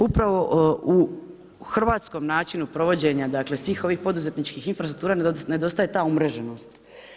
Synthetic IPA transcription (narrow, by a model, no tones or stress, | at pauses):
upɾaʋo̞u | xr̩ʋaːt̪sko̞mnaːt͡ʃinupɾo̞ʋo̞d͡ʑe̞ɲad̪akle̞sʋiːxo̞ʋiːxpo̞d̪uze̞t̪nit͡ʃkiːxinfɾasɾukt̪uːɾaːnne̞d̪o̞st̪aje̞t̪aːumɾe̞ʒeno̞st̪